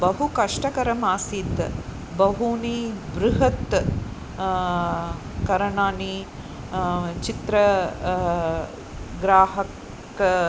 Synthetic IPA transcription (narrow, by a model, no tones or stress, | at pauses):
bɐɦukɐʂʈɐkɐɾɐmaːsiːt̪ | bɐɦuːnibɾuɦɐt̪ | kɐɾɐɳaːni | t͡ʃit̪ɾɐ | ɡɾaːɦɐk | k